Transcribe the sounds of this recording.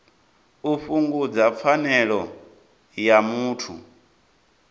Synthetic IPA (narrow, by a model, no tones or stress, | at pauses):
uɸuŋɡud͡zap̪fanɛɺɔ | jamuːtʰṵ